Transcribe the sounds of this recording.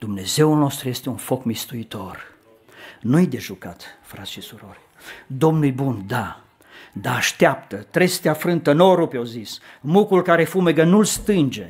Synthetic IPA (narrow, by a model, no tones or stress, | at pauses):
d̪̥umne̞ze̞ulno̞st̪ɾuje̞st̪e̞unfo̞kmist̪uit̪o̞r | nujd̪e̞ʒukat̪fɾat̪sʃisuɾo̞rʲ | d̪o̞mnujbund̪a | d̪aːʃt̪eapt̪ət̪ɾe̞st̪eafɾɨnt̪əno̞ɾupeowzismukulkaɾe̞fume̞ɡənulst̪ɨnd͡ʒe̞